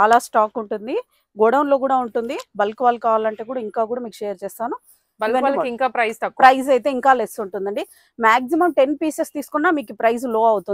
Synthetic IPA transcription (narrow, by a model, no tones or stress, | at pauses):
t͡ʃaːlaːsʈaːkuɳʈund̪i | ɡɔɽɐwnlo̞ːkuːɽaːuɳʈund̪ibɐlkuʋaːlkaːʋaːlɐɳʈeːkuːɽaːiŋkaːk̬uːɽaːmiːkuʂeːjɐɾt͡ʃɛːst̪aːnu | bɐlʋɐnaːlɐiŋkaːpɾɐjst̪ɐkːpɾɐjzɐjt̪e̞ːiŋkaːlesuɳʈund̪ɐɳɖi | maːks̬imɐmʈe̞npiːsest̪iːsu̥kunːaːmiːkupɾɐjzlo̞ːɐwut̪un